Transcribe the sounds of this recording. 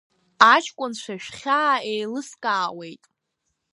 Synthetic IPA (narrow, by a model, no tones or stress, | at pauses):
at͡ʃʰkʷʼʊnt͡ʃʷʰaʃᶣχʲaejlɨskʼaːwe̞jtʼ